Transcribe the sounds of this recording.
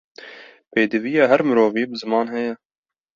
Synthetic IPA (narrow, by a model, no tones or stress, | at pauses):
peːd̪ɨvijɑːɦæɾmɨɾoːviːbɨzɨmɑːnɦɛjɛ